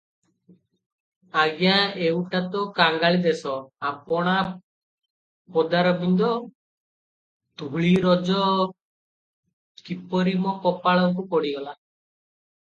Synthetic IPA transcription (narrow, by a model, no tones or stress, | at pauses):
aɡijãewʈat̪ɔkaŋɡaɭid̪esɔapɔɽ̃a | pɔd̪aɾɔbʱind̪ɔ | t̪uɭiɾɔd͡ʒɔ | kipɔɾimɔkɔpaɭɔkukɔɽiɡɔla